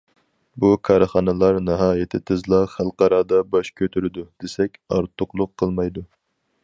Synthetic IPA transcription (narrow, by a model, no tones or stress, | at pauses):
bukʰɑɾχɑnɨlˠɑɾnɨɦɑːjet̪ʰɪt̪ʰɨzlˠɑχælˠqɑɾɑd̪ɑbɑʃkʲʰøt̪ʰyɾɪd̪ud̪̥esɛkʲɑ̰ɾt̪ʰːʊqlˠʊqʰːəlˠmɑjd̪u